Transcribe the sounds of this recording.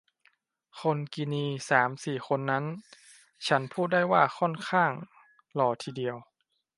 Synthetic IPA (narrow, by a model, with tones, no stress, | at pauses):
kʰo˧nki˧niː˧saː˩˦msiː˨˩xʰo˧nːa˦˥n | t͡ɕʰa˦˥npʰuː˥˩t̪̚da˥˩jwaː˥˩xʰɔ˥˩nkʰaː˥˩ŋ | lɔː˧˩t̪ʰiː˧di˧əw